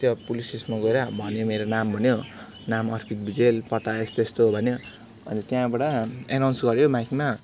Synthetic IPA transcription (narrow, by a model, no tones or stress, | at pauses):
t̪jopulisismaɡoɾabʱʌnjomeɾonambʱʌnjo | namʌrpʰit̪̚bid͡zelpʌt̪aest̪est̪oɦbʱʌnjo | ʌ̰nt̪jãbaɽʌenawnsɡʌɾjomakima